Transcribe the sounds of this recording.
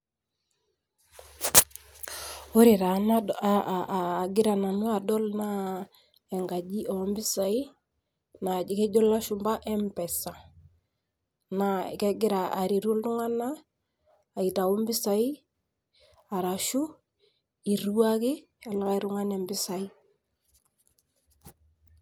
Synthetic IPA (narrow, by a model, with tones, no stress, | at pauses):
o˦ɾɪ˨ɾa˨na˨ | ɡɪ˦ɾa˨na˨nu˦a˨dɔ˦lna˦ | ɛ˨ŋɡa˨d͡ʒi˦ʔɔ˨˦mbɪ˦sa˨i˦ | na˨d͡ʒɪ˨kɛ˦d͡ʒɔ˦la˦ʃʊ˨mba˦ʔɛ˦mpɛ˨sa˨ | na̰˨kɛ˦ɡɪ˦ɾa˨a˨ɾi˨ɾu˦ltʊ˦ŋa˦naː˦˨ | i˨ta˨wu˦mbɪ˦sa˨i˦ | a˨ɾa˨ʃʊ˦ | i˨ru˦a˦kɪ˦ | ɛ˨lɔ˦ka˦i˦ɾʊ˦ŋa˦nɛ˨mbɪ˦sa˨i˦